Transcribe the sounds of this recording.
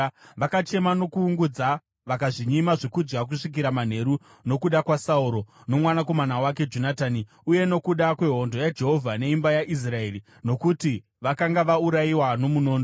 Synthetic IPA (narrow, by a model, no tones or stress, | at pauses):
ʋakat͡ʃe̞mano̞kuːŋɡud͡za | ʋakaʐiɲimaʐokud͡ʒɡak̬uʂik̬iɾaman̤e̞ɾu | no̞kuɗakwasauɾo̞no̞mwanako̞manawake̞d͡ʒonataːni | uje̞no̞kuɗakwe̞ɦo̞ndo̞jad͡ʒe̞ɦo̞vʱane̞imbajaʔis̬rae̞ri | no̞kuti | ʋakaŋɡaʋauɾaiwano̞muno̞ːndo